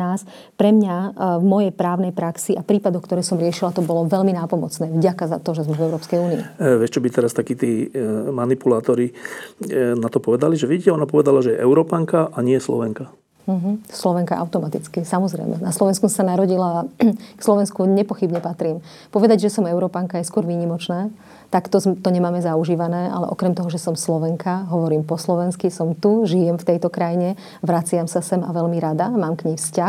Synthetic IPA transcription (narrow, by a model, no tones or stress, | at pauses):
aːs | pɾɛmɲavmɔjɛjpɾaːʊnɛjpɾaksiapɾiːpad̪ɔxkt̪ɔɾɛːsɔmɾɪɛʃilat̪ɔbɔlɔʋɛʎminaːpɔmɔ̰t͡snɛːvɟakaza̰t̪ɔʒɛzmɛvɛʊɾɔːpskɛjuːnḭːʋɪɛʃt͡ʃɔbit̪ɛɾast̪akiːt̪iːmanipulaːt̪ɔɾi | nat̪ɔpɔʋɛd̪aliʒɛʋiɟicɛɔnapɔʋɛd̪alaʒɛjɛʔɛʊɾɔːpaŋkaʔaɲɪɛslɔ̰ʋɛŋka | m̩ɦ̩slɔʋɛŋka̰ʔa̰ʊt̪ɔmat̪it͡skisamɔzɾɛ̰jmʔɛ̰naslɔʋɛnskussanaɾɔɟilaːkslɔʋɛnskuɲɛpɔxibɲɛpat̪ɾiːm | pɔʋɛd̪aɟʒɛsɔmɛʊɾɔːpaŋkajɛskʊɔɾʋiːɲimɔt͡ʃnɛː | t̪akt̪ɔt̪ɔɲɛmaːmɛzauʒiːʋanɛːʔa̰lɛ̰ʔɔkɾɛmt̪ɔɦɔʒɛsɔmslɔʋɛŋkʰaɦɔʋɔɾiːmpɔslɔʋɛnskisɔmt̪uʒijɛmft̪ɛjt̪ɔkɾajiɲɛ | ʋɾat͡sɪamsasɛmaʋɛʎmiɾad̪amaːmkɲɛjfscax